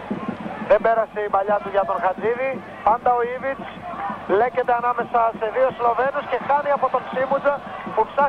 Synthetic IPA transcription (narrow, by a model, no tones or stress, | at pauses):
ðe̞be̞ɾɐseibɐʎɐt̪uʝɐt̪o̞nxɐt͡siði | pɐnd̪ɐo̞ivit͡s | le̞ce̞t̪eɐnɐme̞sɐse̞ðio̞slo̞ve̞no̞sce̞xɐɾiɐpo̞t̪o̞ŋksimud͡zɐpupsɐ